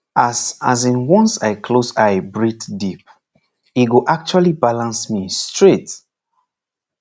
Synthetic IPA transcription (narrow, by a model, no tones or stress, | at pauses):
asazĩnwɔ̃nsaɪkʰlosaɪbɹitdip̚ | itɡoʔak̚t͡ʃualibalãnsmistɹet